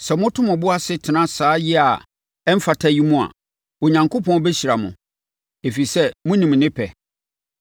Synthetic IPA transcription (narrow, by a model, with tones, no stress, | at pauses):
sɛ˨mʊ̃˦tʰʊ̃˦mʊ̃˨bʊ˦a˦sɪ˦tʰɪ˨nã˦saː˨˦jɪ˦a˨ | ɛ˦m̩˦fa˨tʰa˦ji˦mʊ̃˦a̰˨ | o˨ɲã˨ŋkʰo˦pʰɔ̃˦bɛ˦ɕi˨ɾa˨mʊ̰̃˨ | e˨fi˨sɛ˦mʊ̃˦nĩ˨m˨nɪ̃˦pʰɛ˨